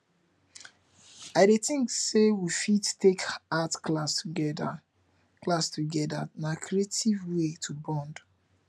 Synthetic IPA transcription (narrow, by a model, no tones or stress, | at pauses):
aɪɾetĩŋksewifidtekatklasɛd | klastuɡɛdanakʰɾietʰivwetʰubɔ̃nd